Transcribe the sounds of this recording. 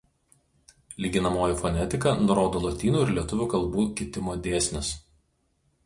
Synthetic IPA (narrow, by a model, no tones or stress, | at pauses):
lʲiːɡʲɪnɐmoːjifɔnʲɛt̪ʲɪkɐnʊɾoːd̪oːlˠɔt̪ʲiːnuːɪɾlʲiɛt̪ʊʋʲuːkɐlˠbuːkʲɪt̪ʲɪmoːd̪ʲeːsʲnʲɪs